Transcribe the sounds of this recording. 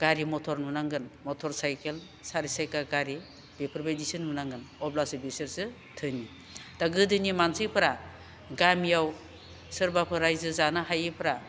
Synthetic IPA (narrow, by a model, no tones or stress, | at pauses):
ɡ̥aɾimɔtʰɔɾnunaŋɡɯnmɔtʰɔɾsajkel | saɾisajkaɡaɾi | b̥epʰɯɾbajdisɯnunaŋɡɯnɔblasɯbeseɾsɯ | tʰɯni | daɡɯdɯnimansipʰɾa | ɡamijaw | sɯɾbapʰɯɾajzɯzanahajɯpʰɾa